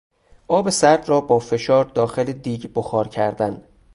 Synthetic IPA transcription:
ʔɒːbe̞sæɾd̪rɒːbɒːfe̞ʃɒːɾd̪ɒːxeled̪iːɟboxɒːɾcʰæɾd̪æn

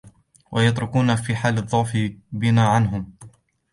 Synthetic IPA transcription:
wʔajɑt̪ɾʊkuːnafiːħaːlðˤːʊʕfɪbɪnaːʕanɦʊm

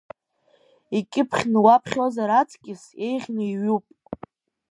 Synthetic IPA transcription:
ikʲʼɪpʰχʲnɨwapʰχʲo̞zaɾat͡sʰkʲʼɪse̞jʁʲnɨiɥupʼ

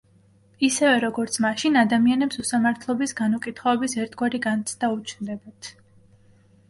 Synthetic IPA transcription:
isɛvɛɾɔɡɔɾt̪sʰmaʃinad̪amianɛpsusamaɾt̪ʰlˠɔbisɡanukʼit̪ʰχɔɛbisɛɾt̪ʰɡwaɾiɡant̪sʰd̪̥aut͡ʃʰnd̪ɛbat̪ʰ

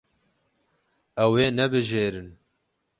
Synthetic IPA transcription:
ɛweːnɛbɨʒeːɾɨn

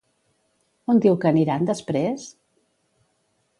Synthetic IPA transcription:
ond̪iwkəːniɾand̪əspɾes

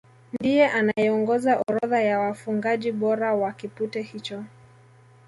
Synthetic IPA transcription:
ndijɛʔanajɛɔŋɡɔzaʔɔɾɔðajawafuŋɡaʄiɓɔɾawakiputɛhit͡ʃɔ

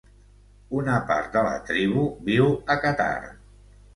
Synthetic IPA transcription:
unəpa̰ɾt̪̚d̪ələ̰t̪ɾiβ̞uβiwəkət̪a̰r

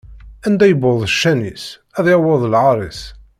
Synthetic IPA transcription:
ænd̪æjəbʊðˤəʃːænis | æðjæwəðˤəlʕɑɾˤis

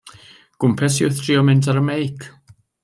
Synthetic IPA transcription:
ɡ̥ʊmpʰɛsʊθtʰriːɔmɪntʰaɾəmejkʰ

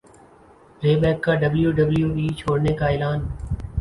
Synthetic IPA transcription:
ɾeːbɛːkːaːɖəbljuːɖəbljuːʋiːt͡ʃʰoːɽneːkaːɪːlaːn

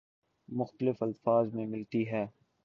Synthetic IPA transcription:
mʊxt̪əlɪfɐlfaːzmẽmɪlt̪iɦɛː

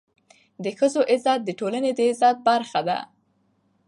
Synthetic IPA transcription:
d̪əxəzoʔɪzɑt̪̚d̪əʈolaned̪əɪzɑt̪̚baɾxad̪a̰

